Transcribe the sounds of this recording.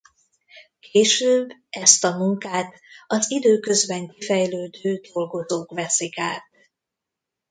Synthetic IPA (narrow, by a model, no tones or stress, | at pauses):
kʰeːʃøːbːɛst̪ɒmuŋkaːt̪ | ɒzid̪øːkø̞zbɛŋkifɛjløːd̪øːd̪̥o̞lɡo̞zoːkvɛsikaːt̪̚